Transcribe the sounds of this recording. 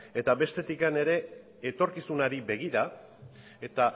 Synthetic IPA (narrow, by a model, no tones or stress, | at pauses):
e̞t̪aβe̞st̪e̞t̪ikane̞ɾe̞ː | t̪o̞ɾkisunaɾibe̞ɣ̞iɾa | et̪a